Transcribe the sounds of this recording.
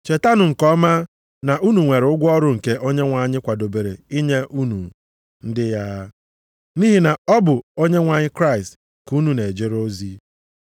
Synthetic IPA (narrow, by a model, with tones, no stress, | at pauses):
t͡ʃe˨ta˦nʊ˨ŋ̩˨kɔ˦ma˦ | na˨ʔu˦nu˨ŋʷe˨ɾʊ˦ɡʷɔ˦ɾʊ˦ŋ̩˨ke˦ʔo˦ɲe˦ŋʷa˨ɲɪ˦kʷa˨do˨be˨ɾe˨i˦ɲe˦ʔu˦nu˨ | n̩˦dɪ˦ja˦ | ni˦ɦi˨na˨ɔ˦bʊ˨o˦ɲe˦ŋʷa˨ɲɪ˦kɾa˦ɪ˨st | ku˦nu˦ne˨d͡ʒe˦ɾo˦zi˦